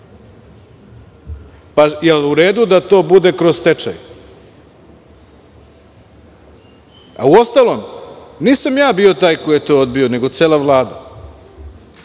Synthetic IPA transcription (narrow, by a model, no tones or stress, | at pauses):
pajeluɾe̞ːd̪ud̪at̪o̞ːbud̪e̞kɾo̞zt̪et͡ʂa̰j | a̰uost̪alo̞mniːsamjaːbio̞t̪aːjkojet̪o̞ːod̪bio̞ne̞ɡo̞t̪seːlˠaʋlˠaːd̪a̰